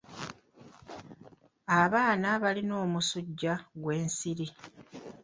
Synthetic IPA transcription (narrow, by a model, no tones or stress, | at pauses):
aβaːnaβalino̞ːmusuɟːaɡwe̞ːnsiɾi